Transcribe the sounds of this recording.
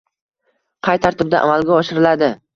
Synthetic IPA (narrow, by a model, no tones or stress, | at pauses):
qʰɑjt̪ʰaɾt̪ɪb̚d̪a̰ʔa̰malˠɡʲaɒʃɪɾɪlad̪ɪ